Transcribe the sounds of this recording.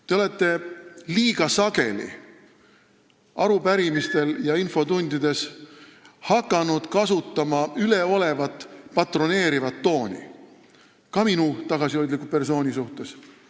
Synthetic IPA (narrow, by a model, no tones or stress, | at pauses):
t̪e̞o̞le̞t̪ˑːe̞liːɡɑsɑɡe̞lḭ | ɑɾupæɾimist̪e̞ljɑinfo̞t̪unʲd̪̥id̪̥e̞s | hɑkːˑɑnud̪̥kɑsut̪ːɑmɑyle̞o̞le̞vɑt̪ːˑpɑt̪ro̞ne̞ːɾivɑt̪ːo̞ːnʲḭ | kɑminut̪ɑɡ̥ɑsiojd̪likːupe̞rso̞ːnʲisuht̪e̞s